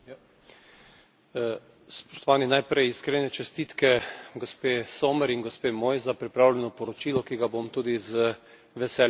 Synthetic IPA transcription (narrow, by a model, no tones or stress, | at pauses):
spo̥ʃt̪ɔʋaːninajpɾɛjiskɾenɛt͡ʃɛst̪it̪kɛɡospeːsoːmɛɾinɡospeːmoːjzapɾipɾaːwlʲɛnɔpɔɾɔt͡ʃiːlɔkiɡabomt̪uːd̪izə | ʋɛsɛːl